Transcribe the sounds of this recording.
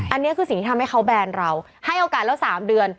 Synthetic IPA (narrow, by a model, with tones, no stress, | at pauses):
ʔa˧nːi˦˥ɐkʰɯː˧si˨˩ŋt̪ʰiː˥tʰa˧mha˥˩jxʰa˦˥wbɛː˧nɾa˧w | ha˥˩jʔoː˧kaː˨˩t̪̚lɛ˦˥wsaː˩˦mdɯ˧ən